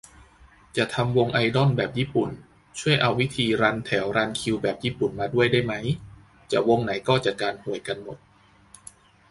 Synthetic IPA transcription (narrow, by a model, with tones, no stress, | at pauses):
t͡ɕa˨˩ʔt̪ʰa˧mwo˧ŋʔa˧jdɔ˥˩nbɛː˨˩p̚jiː˥˩pu˨˩n | t͡ɕʰu˥˩əjʔa˧wːi˦˥t̪ʰiː˧ɾaː˧nt̪ʰɛː˩˦wɾaː˧nkʰi˧wbɛː˨˩p̚jiː˥˩pu˨˩nmaː˧du˥˩əjdaː˥˩jma˦˥j | t͡ɕa˨˩wo˧ŋna˩˦jkɔː˥˩t͡ɕa˨˩kaː˧nhu˨˩əjka˧nmo˨˩t̪̚